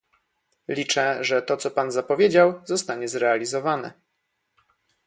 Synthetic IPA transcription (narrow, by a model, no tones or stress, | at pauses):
lʲit͡ʂɛʐɛt̪ɔt̪sɔpanzapɔvʲjed͡ʑawzɔst̪aɲɛzɾɛalʲizɔvanɛ̰